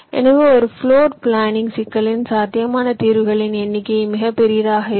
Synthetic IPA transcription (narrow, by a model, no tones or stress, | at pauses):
ʔɛ̰nɐʋɯɔɾɯfɭoːɾpɭaːnɪŋɡsɪkːɐɭɪnsaːt̪ːɪjɐmaːnɐt̪iːɾʋɯɣɐɭɪnɛnːɪkːɐjmɪɣɐpːɛɾɪjɐɾaːɣɐɪ